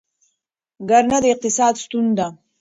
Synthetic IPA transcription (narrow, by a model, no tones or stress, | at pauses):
ɡaɾnad̪iq̚t̪isaːd̪st̪ʰund̪a